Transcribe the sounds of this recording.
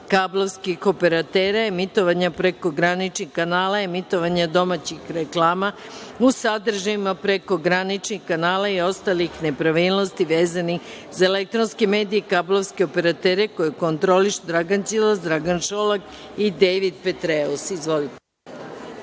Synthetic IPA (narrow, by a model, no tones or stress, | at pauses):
kablˠoʋskixo̞pe̞ɾat̪eːɾaemit̪o̞ʋaɲapɾeko̞ɡɾanit͡ʃnixkanaːlaemit̪o̞ʋaɲad̪o̞mat͡ɕixɾeklˠaːma | usad̪r̩ʒaimapɾeko̞ɡɾanit͡ʃnixkanaːlaio̞st̪alixne̞pɾaʋilˠno̞st̪iʋeːzani | zaelek̚t̪ɾonskemeːd̪ijekablˠovskeo̞pe̞ɾat̪eːɾe̞ko̞jekont̪ɾo̞liʃd̪ɾaɡant͡ʃilˠasd̪ɾaɡanʃolˠak | id̪ejʋid̪pet̪ɾeosizʋo̞lit̪e